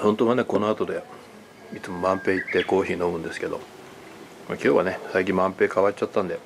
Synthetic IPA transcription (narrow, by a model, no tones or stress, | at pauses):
ho̞nt̪o̞ːβane̞ko̞no̞at̪o̞d̪e̞ | it͡sɨmo̞mãmpe̞ːit̪ːe̞ko̞ːçiːno̞mɯ̟̃nd̪e̞sɨ̥ke̞d̪o̞̰ | ma̰kʲo̞ːβa̰ne̞saikʲĩmːãmpe̞ːkaβat͡ɕːt͡ɕat̪ːãnd̪e̞